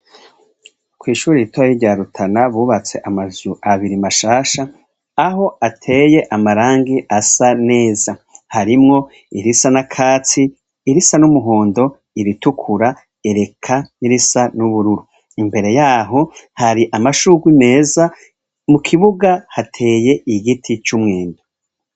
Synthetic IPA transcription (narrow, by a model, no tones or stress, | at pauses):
kwiːʃuːɾiitwajiɟaːɾutʰanaβuːβat͡se̞ʔamazuaβiɾimaʃaːʃaː | ɦo̞atʰe̞je̞ʔamaɾaːŋɡiʔasane̞ːzahaɾimŋo̞ | iɾisanakʰaːt͡siː | ɾisanumuɦoːndo̞ | iɾitukʰuɾa | eɾe̞kʰaniɾisanuβuɾuɾu | imbe̞ɾe̞jaːɦo̞haɾiʔamaʃuːɡwine̞ːza | mukʰiβuɡahatʰe̞ːje̞ʔiɡitʰit͡ʃumŋeːndu̥